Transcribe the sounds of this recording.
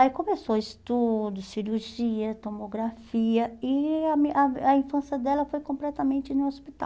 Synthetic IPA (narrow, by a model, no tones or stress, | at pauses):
ikõmesoist̪ud̪ʊsiɾuɾʒiɐt̪omoɡɾafiɐɪɐmaɐĩfɐ̃siɐd̪ɛlɐfojkõmplɛt̪ɐmẽnt͡ʃɪnũospit̪a̰